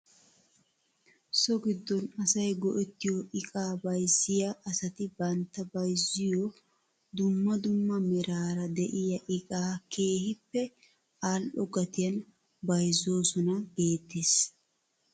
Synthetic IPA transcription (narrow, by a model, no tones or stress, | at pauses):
sɔɡɪd̪ːɔnɐsɐjɡɔʔɛt̪ːɪjɔʔɪkʼaːbɐjzːɪjɐʔːsɐt̪ɪbɐnt̪ːɐbɐjzːɪjɔ | d̪ʊmːɐd̪ʊmːɐmɛɾaːɾɐd̪ɛʔɪjɐʔɪkʼaːkʰe̞ːhɪpːɛ | aːlʔɔɡɐt̪ɪjɐn | bɐjzːo̞ːsɔnɐɡe̞ːt̪ːeːs